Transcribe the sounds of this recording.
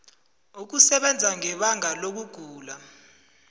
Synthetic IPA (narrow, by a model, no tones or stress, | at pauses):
uk̬usɛɓɛnd͡zʱaŋɛɓaŋʱalok̬uɡ̥ʱuːla